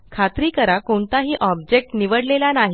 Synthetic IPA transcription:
kʰat̪ɾiːkəɾakoɳt̪aɦiːʔɔbd͡ʑek̚ʈniʋəɽlelanaɦi

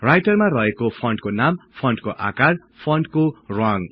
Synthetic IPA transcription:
rajʈʌrmarʌɦekopʰʌɳɖkonampʰʌɳɖkoʔa̰kar | pʰʌɳɖkorɔŋ

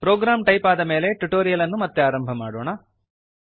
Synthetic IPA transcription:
pɾoːɡɾaːmʈɐjpaːd̪ɐme̞ːle̞ʈuʈoːɾijɐlɐnːumɐt̪ːeaːɾɐmbʱɐmaːɽoːɳɐ

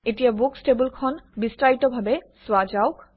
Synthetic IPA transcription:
etijabuksʈebulkʰɔnbisʈɾajtɔbʱabe | swad͡ʑawk

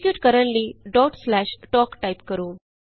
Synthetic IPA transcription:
kjuːʈkəɾəɳʈliɖɔːʈslæːʃʈɔːkʈaɪpkəɾuː

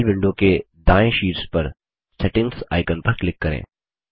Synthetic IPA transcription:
lbɪ̃ɳɖõke | d̪aːẽʃiːɾspɐɾ | sɛːʈɪ̃ŋɡsa̰ːɪkənpɐɾklɪkːɐɾḛ̃ː

